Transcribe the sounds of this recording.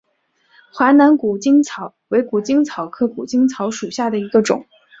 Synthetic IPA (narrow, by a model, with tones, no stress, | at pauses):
xwa˧˥na˧˥nku˨˩t͡ɕi˥ŋt͡sʰɑ˧˩˦ʊwe˧˥ɪku˨˩t͡ɕi˥ŋt͡sʰɑ˨˩˦ʊkʰɤ˥˩ku˨˩t͡ɕi˥ŋt͡sʰɑ˧˥ʊʂu˨˩ɕja˥˩d̪ə˩i˧˥ɡə˧ʈ͡ʂʊ̰˨˩˦ŋ